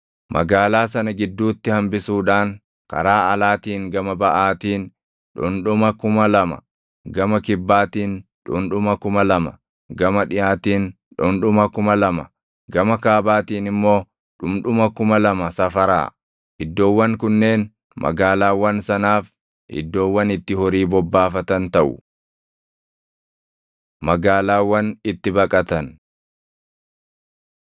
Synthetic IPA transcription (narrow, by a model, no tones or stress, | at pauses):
mɐ̰ɡaːlaːsɐnɐɡɪd̪ːuːt̪ːɪhɐmbɪsuːᶑaːŋ | kɐ̰ɾaːʔɐlaːt̪iːŋɡɐmɐbɐʔaːt̪iːn | ᶑʊnᶑʊmɐkʊmɐlɐmɐ̰ | ɡɐmɐkɪbːaːt̪iːnᶑʊ̰nᶑʊmɐkʊmɐlɐmɐ̰ | ɡɐmɐᶑɪjaːt̪iːn | ᶑʊnᶑʊmɐkʊmɐlɐmɐ̰ | ɡɐmɐkaːbaːt̪iːnɪmːo̞ː | ᶑʊmᶑʊmɐkʊmɐlɐmɐsɐfɐɾa̰ː | ʔɪd̪ːo̞ːwːɐŋkʊnːe̞ːn | mʔɐ̰ɡaːlaːwːɐnsɐnaːf | ʔɪ̰d̪ːo̞ːwːɐnɪt̪ːɪhɔɾiːbɔbːaːfɐt̪ɐnt̪ɐʔʊ̰ | mɐɡaːlaːwːɐnɪt̪ːɪbɐkʼɐt̪ɐn